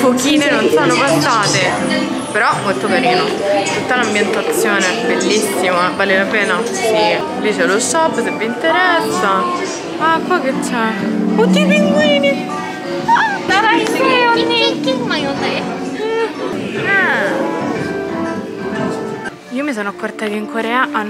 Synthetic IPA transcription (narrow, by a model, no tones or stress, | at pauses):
pokiːnenonsonopasaːt̪e | peɾɔmːolt̪okaɾiːno | t̪ut̪ːalambjent̪at̪sːjoːnebelːisːimavaːlelapɛːna | si | lit͡ʃelosɔpːsevːint̪eɾɛsːa | akːwɔket͡ʃːɛt̪ːipiŋɡwiːni | naɾakoɲːi | ɛ | iːomis̬oːnoakːort̪akeiŋkoɾɛːaʔa